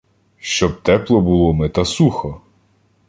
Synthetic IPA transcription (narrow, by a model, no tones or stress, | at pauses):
ʃt͡ʃɔb̚t̪ɛplˠɔbʊlˠɔmɛt̪ɐsuxɔ